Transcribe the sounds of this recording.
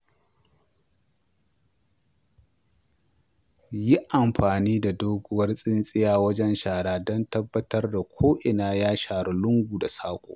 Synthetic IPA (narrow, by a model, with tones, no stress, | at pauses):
ji˦ʔa˨mɸaː˨niː˦da˨doː˦ɡʷʊ˦wɐ˦rsʼɪ˦nsʼɪ˦jaː˦wɐ˦d͡ʒɛ˦nʃaː˨ɽaː˨dɔ˦ntɐ˦bːɐ˦tɐ˦rda˨kʷʰoː˦ʔɪ˨naː˦jaː˦ʃaː˨ɽʊ˨lʊ˦ŋɡʷuː˨da˨saː˦kʷʼo̰ː˨ʔ